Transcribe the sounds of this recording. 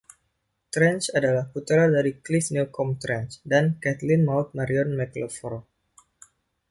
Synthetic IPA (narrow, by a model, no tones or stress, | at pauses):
t̪ɾɛnsadalahput̪ɾadaɾiklisnilkɔmt̪ɾɛnsdankɛt̪lɪnmawt̪̚maɾiɔnmɛklɔfɔɾo